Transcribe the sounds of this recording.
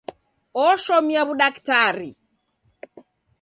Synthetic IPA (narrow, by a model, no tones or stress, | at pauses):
ɔʃɔmiaβuɗaktaɾḭ